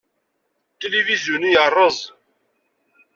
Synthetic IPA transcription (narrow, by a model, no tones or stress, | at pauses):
t̪elivizjunijərˤːəzˤ